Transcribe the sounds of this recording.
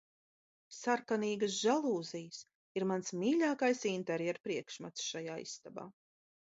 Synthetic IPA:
saɾkaniːɡəs̬ʒalˠuːzijəs | iɾmansmiːʎʲaːkajsint̪ɛɾjɛɾpɾiɛkʃmat̪sʃajaːḭsːt̪aba̰ː

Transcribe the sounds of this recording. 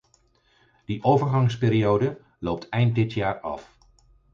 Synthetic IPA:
d̥iʔowvəɹχɑŋspeːɾiowdə | lowp̚tʰɛjnt̚dɪtjaːɹɑ̰f

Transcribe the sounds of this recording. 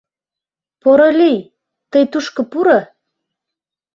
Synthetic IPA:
poɾɤlʲij | t̪əjt̪uʃkɤ̆puɾɤ

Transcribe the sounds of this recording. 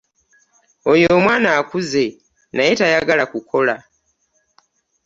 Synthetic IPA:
o̞jomwaːnaːkuze̞ | najetajaɡalakukʰo̞la

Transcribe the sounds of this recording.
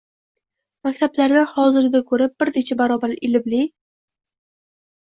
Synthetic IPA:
makʲt̪ʰablaɾnɪhɒzɪɾd̪akʰɵɾɪp̚b̥ɪɾnet͡ʃʰabaɾɒbaɾɪlɪbli

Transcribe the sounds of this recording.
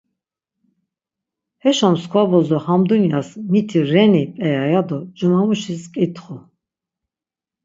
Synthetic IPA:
hɛʃɔmskʰvabɔzɔhamd̪unijasmit̪ʰiɾɛnipʼɛjajad̪ɔd͡ʒumamuʃiskʼit̪ʰχu

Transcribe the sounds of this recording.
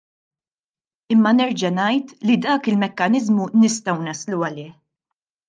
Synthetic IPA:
ɪmːɐnɛɾd͡ʒɐnɐjt̪lid̪ɐːkɪlmɛkːɐnɪzmunɪst̪ɐwnɐsluɐlɪːħ

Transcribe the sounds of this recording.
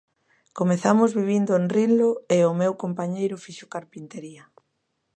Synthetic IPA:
komeθamʊzβiβ̞ind̪ʊenrinloeʊmewkompaɲejɾʊfiʃʊkaɾpint̪eɾiɐ

